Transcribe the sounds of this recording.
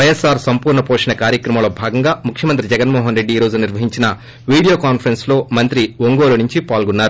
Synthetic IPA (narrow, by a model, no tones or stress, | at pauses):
ʋɐjesaːɾsɐmpuːɾɳɐpoːʂinɐkaːɾjɐkɾɐmɐmloːbʱaːɡɐŋɡaːmukʰjɐmɐnt̪̬ɾid͡ʒɛɡɐnmɔːɦɐnɾeɖːiːɾo̞ːd͡ʒuniɾʋɐɦiɲt͡ʃinɐ | ʋiːɽijoːkaːnpʰɐɾenslo̞ːmɐnt̪ɾiʋoŋɡoːlɐnuɲt͡ʃipaːlɡunːaːɾu